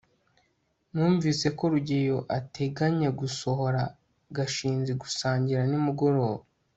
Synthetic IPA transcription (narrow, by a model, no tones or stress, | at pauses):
nuːɱviːse̞ko̞ɾuɟejo̞ʔate̞ɡaɲeɡuso̞ho̞ɾa | ɡaʃiːnzeɡusaːɲɟiɾanimuɡo̞ɾo̞ːβa